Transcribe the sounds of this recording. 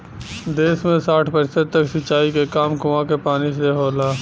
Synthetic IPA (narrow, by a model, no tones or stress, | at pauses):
d̪eːsmẽsaːʈʰpəɾɪsəd̪̚t̪ɐksɐt͡ʃːaːikekaːmkʊʋãkepaːnis̬eɦoːlaː